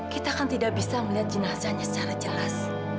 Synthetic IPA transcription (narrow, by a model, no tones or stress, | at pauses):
kit̪aːkant̪idak̚bisaməliɦat̪̚d͡ʒənasaɲasə̥t͡ʃaɾad͡ʒəlas